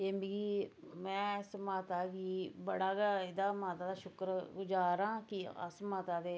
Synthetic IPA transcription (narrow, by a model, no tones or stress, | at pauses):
eːmiɡiːmɛ̃ːsmaːt̪aːɡiːbəɽaːɡaːɪd̪aːmaːt̪aːd̪aːʃʊkɾɡʊd͡ʒaːɾãːkiə̰smaːt̪aːd̪eː